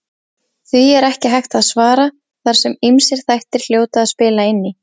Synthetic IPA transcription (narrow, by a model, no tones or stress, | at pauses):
θviɛɾɛhcɪɦajxt̪aðsvaːɾa | θaɾ̥sɛmimsɪɾ̥θajht̪ɪɾ̥l̥joːwt̪aːðspɪːlaɪnːɪ